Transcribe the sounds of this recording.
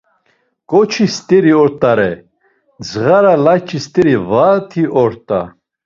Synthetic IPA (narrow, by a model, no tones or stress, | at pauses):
kʼɔt͡ʃʰist̪ʼɛɾiɔɾt̪ʼaɾɛ | d͡zʁaɾalat͡ʃʰʼist̪ʼɛɾivat̪ʰiʔɔɾt̪ʼa̰